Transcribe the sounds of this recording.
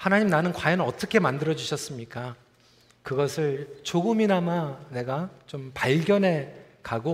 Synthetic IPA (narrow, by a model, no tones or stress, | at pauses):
hanaɲimnanɯnkwajʌnɭʌt͈ʌkʰe̞mandɯɾʌd͡ʑuɕʰʌs͈ɯmɲik͈a | kɯɡʌsʰɯɭt͡ɕoɡɯminamane̞ɡat͡ɕompaɭɡjʌnɦe̞ | kaɡo